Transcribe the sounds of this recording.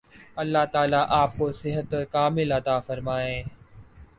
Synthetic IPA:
ɐlːaɦt̪aːlaʔaːp̚kosɪɦət̪kaːmɪlɐt̪aːfɐɾmaːẽː

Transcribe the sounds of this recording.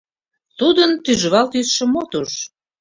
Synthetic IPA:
t̪ud̪ənt̪yʒəβɑlt̪ysʃə̆mot̪uʃ

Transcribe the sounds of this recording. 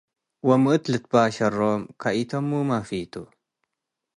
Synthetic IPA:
wɐmɨʔɨt̪lɨt̪̚baːʃɐroːmkʰaʔit̪ʰɐmːumafit̪ʰu

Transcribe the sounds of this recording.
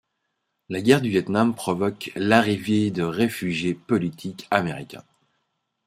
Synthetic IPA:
laɡʲɛʁd̪yvjɛt̪nampχɔvɔklaʁivjed̪əʁefyʒjepɔlit̪ʰikameʁḭkʲɛ̰̃

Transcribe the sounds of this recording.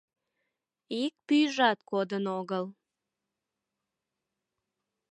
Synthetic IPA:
ik̚pyjʒɑt̪kod̪ənoɣəl

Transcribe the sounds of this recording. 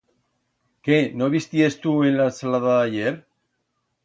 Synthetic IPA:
kenoβist̪iest̪uenlasalaðaaʝeɾ

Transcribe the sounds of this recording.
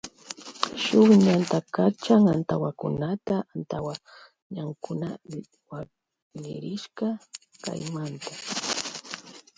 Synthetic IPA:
ʃʊχɲant̪akat͡ʃaŋant̪awakʊ̰nat̪aant̪awa | ɲaŋkʊna | wa | nɪ̰ɾɪʃkaka̰jmant̪a

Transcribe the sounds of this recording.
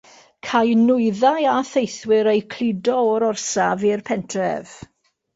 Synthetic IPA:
kʰajnʊɨðajaθejθwɪɾejkʰl̥ˠɪdɔɔɾɔrsavirpʰɛntʰrɛ̰v̥

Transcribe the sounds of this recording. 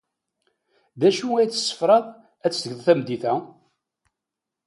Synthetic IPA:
ðæʃuæjt͡sːə̥sːə̥fɾˤɑðˤ | æt͡sːɡəðˤθæmd̪iθæ

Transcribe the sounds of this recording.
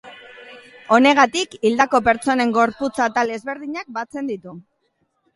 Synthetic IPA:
o̞ne̞ɣ̞at̪ikild̪ako̞pe̞ɾt͡so̞ne̞ŋɡo̞ɾput͡sat̪alezβe̞ɾðiɲak̚bat͡se̞nd̪it̪u

